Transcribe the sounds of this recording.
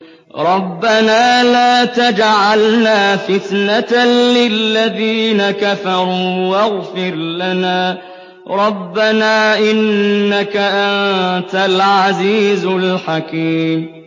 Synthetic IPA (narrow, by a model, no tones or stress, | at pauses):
ɾˤɑbːanaːlaːt̪ad͡ʒʕalnaːfɪt̪naalɪlːaðiːnakafɑɾˤuːwaɣfɪɾlanaː | ɾˤɑbːanaːʔɪnːakaʔannt̪alʕaziːzlħakiːm